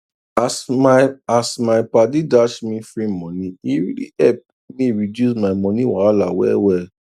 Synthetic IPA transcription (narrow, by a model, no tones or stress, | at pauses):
as | asmaɪpadidaʃmĩfɹĩmɔ̃nĩiɹḭlḭɛp̚ | mĩɹidjus̬maɪmɔ̃nĩwaalawɛ̰wɛl